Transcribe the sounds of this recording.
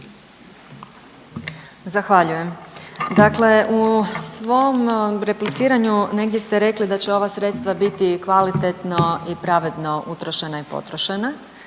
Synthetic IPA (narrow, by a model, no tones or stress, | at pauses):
zaxʋaʎuje̞md̪akle̞ʔusʋomɾe̞plit̪siːɾaɲune̞ɡd̪ʲje̞st̪eɾe̞klid̪at͡ɕeo̞ʋasɾet̪st̪ʋabit̪ikʋalit̪et̪no̞ipɾaʋe̞d̪no̞ut̪ɾo̞ʃenaipo̞̰t̪ɾoʃena